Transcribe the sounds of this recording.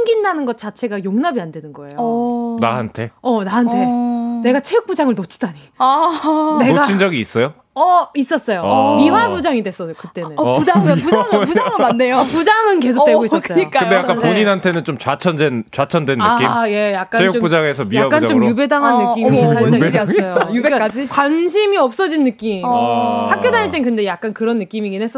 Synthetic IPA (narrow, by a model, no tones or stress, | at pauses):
ɯŋɡindanɯnɡʌt̚t͡ɕ͈at͡ɕʰe̞ɡajoŋnabiande̞nɯnɡʌe̞jonaɦantʰe̞ʌnaɦantʰe̞ne̞ɡat͡ɕʰejuk̚p͈ud͡ʑaŋɯɭnot͡ɕʰi̥d̥aɲi | ne̞nɡaind͡ʑʌɡiːs͈ʌjo | ʌis͈ʌs͈ʌjomiwabud͡ʑaŋidwe̞s͈ʌjokɯt͈e̞nɯnpuaŋpud͡ʑaŋpuaŋɯnmanːejopud͡ʑaŋɯnke̞sʰo̥kt͈e̞ɡois͈ʌs͈ʌjok͈akɯndejak͈apoɲinɦantʰe̞nɯnt͡ɕomt͡ɕat͡ɕʰʌndent͡ɕat͡ɕʰʌndwenːɯakimje̞jak̚k͈aejot͡ɕokpud͡ʑaŋe̞sʰʌmijaak͈ant͡ɕomjube̞daŋɦanːɯk͈imisʰaajojubekak͈ad͡ʑikwanɕ̬ʰimiʌp̚s͈ʌd͡ʑinːɯk͈imhakk͈jodaɲiɭt͈ekɯnde̞jak̚k͈ankɯɾʌnːɯk͈imiɡinɦe̞s͈ʌ